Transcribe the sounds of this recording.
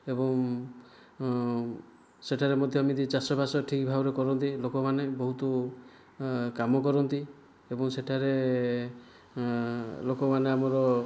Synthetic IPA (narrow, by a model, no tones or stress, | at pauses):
ebɔŋ | seʈʰaɾemɔd̪ʱjɔamid̪it͡ʃasɔbʱasɔʈʰikbʱabɔɾekɔɾɔnt̪ilokɔmanebɔɦut̪ɔ | kamɔkɔɾɔnt̪i | ebɔŋseʈʰaɾe | lokɔmaneamɔɾɔ